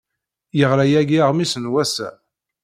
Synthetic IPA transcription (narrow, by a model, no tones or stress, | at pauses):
jəʁɾæjæɡiʁmisənwæsæ̰